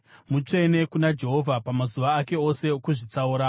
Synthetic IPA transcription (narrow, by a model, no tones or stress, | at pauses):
mut͡ʂe̞ne̞kunad͡ʒe̞ɦo̞vʱapamazuʋaːke̞o̞se̞okuʐit͡sauːɾa